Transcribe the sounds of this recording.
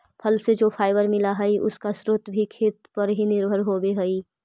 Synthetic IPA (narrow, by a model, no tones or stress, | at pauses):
pʰɐlsed͡ʒoːpʰaːɪʋəɾmɪlaɦɛiʔʊskasɾʊt̪bʱikʰeːt̪pɐɾɦinɪɾbʱəɾɦoːbeɦɐiː